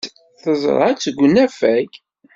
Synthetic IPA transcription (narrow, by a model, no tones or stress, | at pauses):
θəz̰ˤɾˤæt͡sːɡʷnæfæk